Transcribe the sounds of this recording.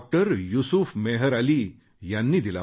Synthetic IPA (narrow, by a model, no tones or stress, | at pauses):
k̚ʈəɾjusufmeɦəɾaliː | janːiːd̪ila